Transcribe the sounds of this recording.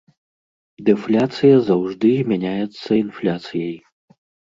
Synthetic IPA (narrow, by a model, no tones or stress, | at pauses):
d̪ɛflʲat̪sɨjɐzawʐd̪ɨzʲmʲanʲajɛt̪sːɐinflʲat̪sɨjɐj